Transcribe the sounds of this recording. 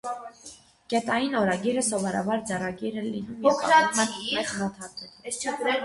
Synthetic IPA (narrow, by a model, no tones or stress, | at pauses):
ɡ̥ɛt̪ɑjinɔɾɑɡiɾəsɔvɔɾɑ̰bɑɾd͡zɛrɑɡiɾəlinuɔkʰɾɑɾt̪ʰɛχɾɑt̪ʰɑɾt̪ɛ